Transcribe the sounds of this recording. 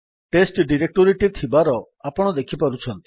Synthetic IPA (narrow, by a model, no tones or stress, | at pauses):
ʈesʈɖiɾek̚ʈoɾiʈit̪ʰibaɾɔ | apɔɽ̃ɔd̪ekʰipaɾut͡ʃʰɔnt̪i̥